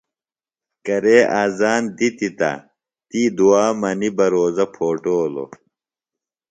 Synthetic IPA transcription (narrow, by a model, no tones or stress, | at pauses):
kɐɾeːʔaːzaːnd̪it̪it̪ɐ̰ | t̪id̪uaːmɐnibɐɾoːzɐpʰoːʈoːlo̰